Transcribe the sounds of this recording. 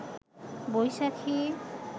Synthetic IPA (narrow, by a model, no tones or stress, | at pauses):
bojʃakʰi